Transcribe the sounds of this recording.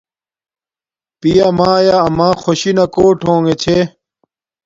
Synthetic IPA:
pijamaːjaɐmãːxoɕinɐkoːʈʰõːŋɡet͡ɕʰe

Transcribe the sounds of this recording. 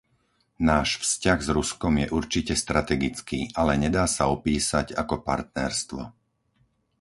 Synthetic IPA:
naːʃfscaɣzɾuskɔmjɛʔuɾt͡ʃicɛst̪ɾat̪ɛɡit͡skiːʔalɛɲɛd̪aːsaɔpiːsaɟakɔpa̰ɾt̪̚nɛɾst̪ʋɔ

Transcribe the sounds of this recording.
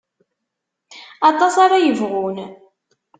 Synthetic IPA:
ɑt̪ˤɑsɑɾajəvʁʊn

